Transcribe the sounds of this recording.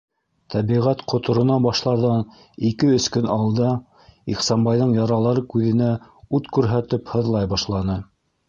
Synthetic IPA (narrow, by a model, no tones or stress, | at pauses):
t̪ʰæβiʁæt̪qŏt̪ŏɾŏnɑbɑʃlˠɑɾðɑn | ikɘɵ̆skɵnɑlˠd̪ɑ | iχsɑmbɑjðɤɴjɑɾɑlˠɑɾɤkʉðɘ̆næʉt̪kʉɾɦæt̪ɘphɤ̆ðlˠɑjbɑʃlˠɑnɤ